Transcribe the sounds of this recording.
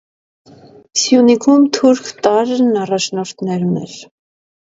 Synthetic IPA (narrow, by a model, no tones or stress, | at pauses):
sjunikʰumt̪ʰuɾkʰt̪ɑɾnɑrɑt͡ʃʰnɔɾt̪ʰnɛɾunɛ̰ɾ